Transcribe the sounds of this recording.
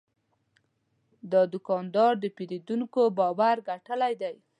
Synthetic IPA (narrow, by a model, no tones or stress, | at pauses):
d̪əd̪ʊkɑnd̪ɑɾd̪əpeɾid̪uŋkobɑwaɾɡaʈəlajd̪aj